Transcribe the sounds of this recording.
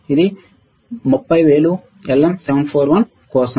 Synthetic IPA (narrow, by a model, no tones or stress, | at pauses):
iði | mʊpːɐɪʋeːlu | ɛlːɛmsɛʋɐnfʰoːɾʋɐn | koːsɐ